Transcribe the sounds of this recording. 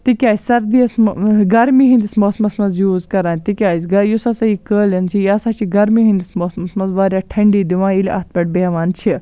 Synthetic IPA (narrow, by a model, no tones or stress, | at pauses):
t̪ikʲaːsʲsɐɾd̪iɐsɡɐɾmiɦĩnd̪ismoːsmɐsmɐnzjuːzkɐɾaːnʲt̪ikʲaːsʲɡɐjusɐsɐjiːkəːlɐnt͡sʰijaːsaːt͡ʃʰiɡɐɾmiɦĩnd̪ismoːsmɐsmɐnzʋaːɾʲjaːʈʰɐɳɖiːd̪iʋãːilʲɐ̰t̪̚ʰbɐʈ̚beːʋaːnt͡ʃʰi